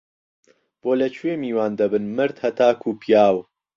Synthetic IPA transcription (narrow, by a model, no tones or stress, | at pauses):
b̥oːlɐt͡ʃʰwemiːwaːnd̪ɐbɨnmɨɾd̪hɐt̪aːkʰuːpʰijaːw